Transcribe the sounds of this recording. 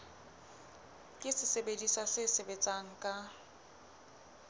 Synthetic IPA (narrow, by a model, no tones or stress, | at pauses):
kʼɪsɪsebedisasɪsebet͡sʼaŋ̩kʼa